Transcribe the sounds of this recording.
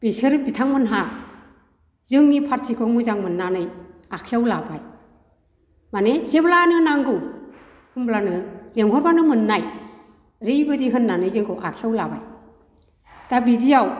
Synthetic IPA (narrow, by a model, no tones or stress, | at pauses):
b̥esɯɾbitʰaŋmɯnɦa | zɯŋnipʰaɾsʰikʰɔk̚mɯzaŋmɯnːanɯjakʰijawlabaj | maneseblanɯɯnaŋɡɯw | hɯnblanɯleŋhɔɾbanɯmɯnːaj | ɾejbɯdiɦɯnːanɯjzɯŋkʰɯwʔakʰiawlaba̰j | tabidijaw